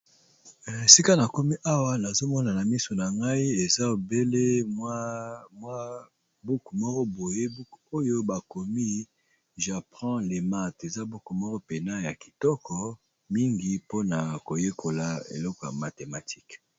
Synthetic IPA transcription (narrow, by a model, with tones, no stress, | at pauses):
e˨si˦ka˦na˨ko˦mi˦ʔa˦wa˦na˨zo˦mɔ˦na˨na˨mi˦sɔ˨na˨ŋɡa˦i˦e˨za˦o˨be˦le˦ | mwa˦ | bu˦ku˨mɔ˦kɔ˦bo˨je˦bu˦ko˦jo˦ba˨ko˨mi˦ | ʒa˨pʁɑ̃˦le˨ma˨te˨za˦bu˦ku˨mɔ˦kɔ˦pe˨na˦ja˨ki˨tɔ˦kɔ˨ | mi˦ŋɡi˦po˦na˨ko˨je˦kʰo˨la˨ḛ˨lɔ˦kɔ˨ja̰˨ma˨te˨ma˨tʰi̥˦k